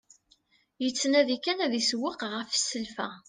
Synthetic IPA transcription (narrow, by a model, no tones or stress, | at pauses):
jət͡sːnæðikænæðiswəqʁəfsəlfæ